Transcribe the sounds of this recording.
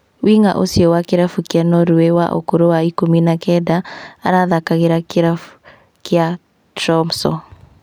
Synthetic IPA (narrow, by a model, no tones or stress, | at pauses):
wiŋa̰ʔosiɔwakiɾafukjanɔɾuwewa̰ʔo̰koɾowaikominakɛdaaɾaðakaɣeɾakɾa | kia | tɾɔmsɔ